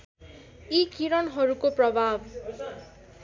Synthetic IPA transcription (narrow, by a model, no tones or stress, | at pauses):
ikiɾʌnɦʌɾukoprʌbʱab